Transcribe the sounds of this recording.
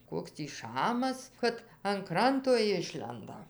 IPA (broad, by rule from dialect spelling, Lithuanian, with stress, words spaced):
ˈkoːks tʲiː ˈʃɑːmɐs ˈkɐt ɐn ˈkrɐntoː ˈɪʃʲlʲɛndɐ